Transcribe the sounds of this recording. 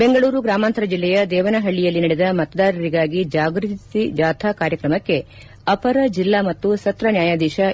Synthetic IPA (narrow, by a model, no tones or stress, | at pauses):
beŋɡɐɭuːɾuɡɾaːmaːnt̪ɐɾɐd͡ʒilːɛjɐd̪ɛːʋɐnɐɦɐɭːijɐlːinɐɽɛd̪ɐmɐt̪ɐd̪aːɾɐɾiɡaːɡid͡ʒaːɡɾut̪id͡ʒaːt̪ʰakaːɾjɐkɾɐmɐkːe̞ | ɐpɐɾɐd͡ʒilːaːmɐt̪ːusɐt̪ɾɐnjaːjaːd̪ɛːʃɐ